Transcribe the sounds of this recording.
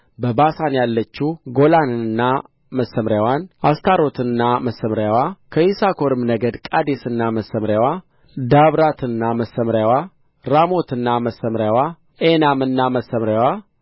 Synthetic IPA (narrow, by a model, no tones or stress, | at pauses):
bəbasanjalːət͡ʃːuɡo̞lanɨɨnːa | məsːəmɾjawanʔast̪ʰaɾo̞t̪ʰɨnːaməsːəmɾjawakʰəisakʰo̞ɾɨmnəɡəd̪kʼad̪esɨnːaməsːəmɾjawa | d̪aβɾat̪ɨnːaməsːəmɾjawa | ɾamo̞t̪ɨnːaməsːəmɾjawa | enamɨnːaməsːəmɾjawa